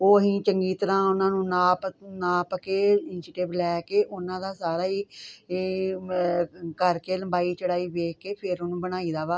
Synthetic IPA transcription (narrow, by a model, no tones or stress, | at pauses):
oːɦĩːt͡ʃəŋɡiːt̪əɾãːʊnãːnũːnaːpnaːpkeːɪnɪʃɪʈɪʋlɛːkeːʔʊnãːd̪aːsaːɾaːiː | kəɾkeːləmbaːiːt͡ʃəɽaːiːʋeːkːeːpʰɪɾonũːbəñaːiːd̪aːʋaː